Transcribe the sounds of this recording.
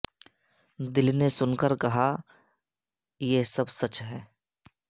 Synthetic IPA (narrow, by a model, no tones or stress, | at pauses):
d̪ɪlnesʊnkəɾkɐɦa | jesɐbsɐt͡ʃɦɛː